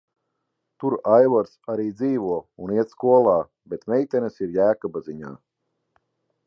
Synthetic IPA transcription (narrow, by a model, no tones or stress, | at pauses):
t̪uɾajvɔɾsaɾiːd̪ziːvuɔuniɛt̪skuɔlˠaː | bɛt̪mɛjt̪ʲɛnɨsiɾjæːkɔbaziɲa̰ː